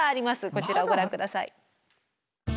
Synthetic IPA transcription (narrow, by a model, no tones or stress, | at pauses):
aːɾʲimasɨko̞t͡ɕiɾaoɡo̞ɾãŋkɯ̟d̪asaḭ